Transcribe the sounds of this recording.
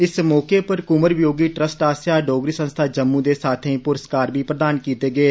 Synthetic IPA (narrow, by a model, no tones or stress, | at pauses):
ɪsmɔːkeːpəɾkʊməɾʋjoːɡiːʈɾəsʈaːsjaːɖɔːɡɾiːsə̃nst̪ʰaːd͡ʒəmːũːd̪eːsaːt̪ʰẽĩːpʊɾəskaːɾʋiːpɾəd̪aːnkiːt̪eːɡeː